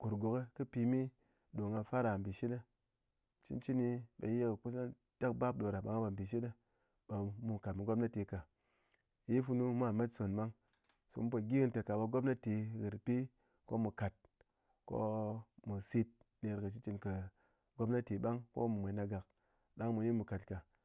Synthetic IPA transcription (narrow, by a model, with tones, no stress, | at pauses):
ku˨ɾɡo˨ke˦kɨ˦pi˧mi˦ | ɗo˨ŋa˧fa˦ɾa˨m̩˨bi˨ʃi˦ta˦ | t͡ʃḭ˦nt͡ʃi˦ni˧ɓa˨je˦kku˦sa˦n | ta˦k̚ba˦p̚ɗo˨ɾa˨ɓa˨ŋa˦ba˨m̩˨bi˨ʃ̬i˦ta˦ | ɓa˧mu˨ka˨tmu˨ɡo˦p̚na˦te˨˧ka˨ | ji˦fu˧nu˦mʷ˦a˦˨ma˦tso˨nɓa˦ŋ | so̰˨mu˦po˨ɡʲi˦ɨ˦nte˨ka˨ɓa˧ɡo˦p̚na˦te˧ɣɨ˨ɾpi˦ | ko̰˦mu˨ka˨t̚ | ko̰˦mu˨si˧t̚ | ne˧ɾkɐ˨t͡ʃi˦t͡ʃi˧nkɐ˨ | ɡo˦b̚na˦te˨˦ɓa˦ŋko̰˦mu˨mʷe˨˦na˧ɡa˨k̚ | ɗa˦ŋmu˨ni˦mu˨ka˨tka˨